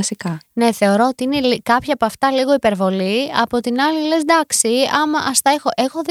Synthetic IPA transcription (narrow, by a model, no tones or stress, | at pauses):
sikɐne̞θe̞o̞ɾoot̪iine̞likɐpçɐːpoɐft̪ɐliɣo̞ipe̞ɾvo̞liɐpo̞t̪inɐlile̞zd̪ɐksiɐmɐʔɐst̪ɐe̞xo̞ʔe̞xo̞ð